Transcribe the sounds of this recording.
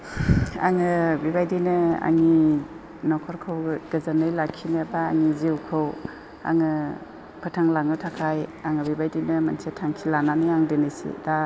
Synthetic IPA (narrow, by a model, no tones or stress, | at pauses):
a̰ŋɯbibajdinɯa̰ŋi | nɔkʰɔɾkʰɯwɡɯzanɯjlakʰːineba̰ːŋiziwkʰɯw | a̰ŋɯ | pʰɯtʰaŋlaŋɯtʰakʰajaŋɯbibajdinɯmansʰetʰaŋkʰilananijaŋdɯnɯjsḭda